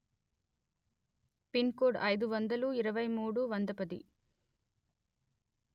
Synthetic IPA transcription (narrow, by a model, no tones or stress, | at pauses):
pinkoːɖɐjd̪uʋɐnd̪ɐluiɾɐʋɐjmuːɽuʋɐnd̪ɐpɐd̪ḭ